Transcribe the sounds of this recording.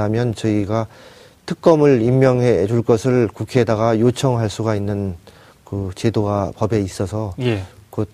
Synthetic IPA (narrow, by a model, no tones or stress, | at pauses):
amjʌnt͡ɕʌiɡa | tʰɯk̚k͈ʌmɯɭimːjʌŋɦe̞d͡ʑuɭk͈ʌsʰɯɭkukʰeːdaɣajot͡ɕʰʌŋɦaɭs͈uɡainːɯn | kɯt͡ɕedoɡapʌbe̞is͈ʌsʰʌjkot